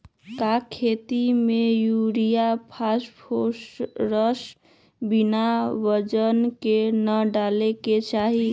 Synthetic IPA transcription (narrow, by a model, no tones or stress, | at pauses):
kakʰet̪imejuɾijapʰaspʰosɾəs | binaʋəd͡ʒənkenəɖaleket͡ʃaɦi